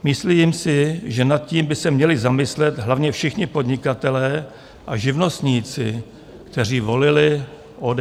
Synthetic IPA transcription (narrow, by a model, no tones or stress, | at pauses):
mɪslimsɪʒɛnat̪̚ciːmbɪsɛmɲɛlɪzamɪslɛt̪ɦlavɲɛfʃɪxɲɪpo̞d̪ɲɪkat̪ɛlɛː | ʔaʒɪvno̞st̪ɲiːt͡sɪ | kt̪ɛr̝iːvo̞lɪlɪ | ʔod